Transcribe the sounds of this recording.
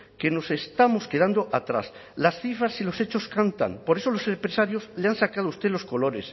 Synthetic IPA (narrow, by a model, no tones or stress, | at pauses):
ke̞no̞se̞st̪amo̞ske̞ð̞and̪o̞ʔat̪ɾa̰s | lasθifɾasilo̞se̞t͡ʃo̞skant̪a̰ŋpo̞ɾe̞so̞lo̞se̞mpɾesaɾjo̞zleansakað̞oust̪elo̞sko̞lo̞ɾe̞s